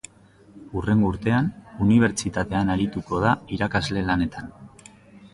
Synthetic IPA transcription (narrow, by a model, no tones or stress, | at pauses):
ure̞ŋɡouɾt̪e̞anuniβ̞e̞ɾt͡ʃit̪at̪e̞anaɾit̪uko̞ð̞aiɾakazle̞lane̞t̪an